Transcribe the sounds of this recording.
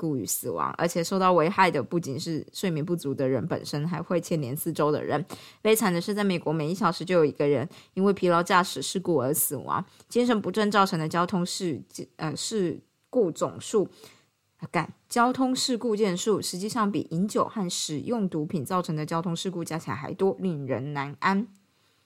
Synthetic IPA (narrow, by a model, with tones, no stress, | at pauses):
ku˥˩y̰˧˩sɹ̩˨˩wɑ̰˧˥ŋʔə̰˞˧˥t͡ɕʰjɛ˨˩ʂo˥˧ʊt̪ɑ˥˩ʊwe˧˥ɪxa˥˩ɪd̪ə˩pu˥˩t͡ɕi˨˩nʂɻ̩˥˧ʂwe˥˩ɪmji˧˥npu˥˩t͡su˧˥d̪ə˧ɻə̰˧˥npə̰˨˩nʂə˥nxa˧˥ɪxwe˥˧ɪt͡ɕʰjɛ˥˩nljɛ˧˥nsɹ̩˥˩ʈ͡ʂo˥ʊd̪ə̰˨˩ɻə̰˧˥nle˥˩ɪt͡sʰa˨˩nd̪ə˦ʂɻ̩˥˧t͡sa˥˩ɪme˨˩kwɔ˧˥me˨˩ɪi˥˩ɕjɑ˨˩ʊʂɻ̩˧˥t͡ɕjo˥˩jo˨˩ʊi˧˥ɡə˧ɻə̰˧˥ni˥nwe˥˩ɪpʰi˧˥lɑ˧˥ʊt͡ɕja˥˩ʂɻ̩˨˩ʂɻ̩˥˧ku˥˩ə˞˧˥sɹ̩˨˩wɑ̰˧˥ŋ | t͡ɕi˥nʂə˧˥npu˧˥ʈ͡ʂə˥˧nt͡sɑ˥˩ʊʈ͡ʂʰɤ˧˥ŋd̪ə˧t͡ɕjɑ˥ʊt̪ʰʊ˥ŋʂ̩˥˧ə˧ʂɻ̩˥˧ | ku˥˩t͡sʊ̰˨˩ŋʂu˥˩ | ka̰˨˩˦nt͡ɕjɑ˥ʊt̪ʰʊ˥ŋʂɻ̩˥˧ku˥˧t͡ɕjɛ˥˧nʂu˥˩ʂɻ̩˧˥t͡ɕi˥˧ʂɑ˥˩ŋpḭ˨˩ʔi˧˥nt͡ɕjo˨˩ʊxa˥˩nʂɻ̩˨˩jʊ˥˩ŋt̪u˧˥pʰi˨˩nt͡sɑ˥˩ʊʈ͡ʂʰɤ˧˥ŋd̪ə˨˧t͡ɕjɑ˥ʊt̪ʰʊ˥ŋʂɻ̩˥˧ku˥˧t͡ɕja˥˩t͡ɕʰḭ˨˧˨xa̰˧˥ɪt̪wɔ˥li˥˩ŋɻə̰˧˥nna˧˥na˥n